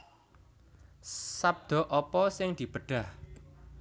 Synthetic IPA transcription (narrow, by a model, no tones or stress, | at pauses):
sab̚d̪̥ɔ̤ʔɔpɔsɪŋd̪̥i̤b̥əɖ̪̥a̤h